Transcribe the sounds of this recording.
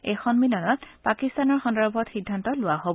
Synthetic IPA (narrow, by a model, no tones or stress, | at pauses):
ɛxɔnmilɔnɔtpakist̪anɔɹxɔndɔɹbʱɔtxidʱːantɔlʊwaɦobɔ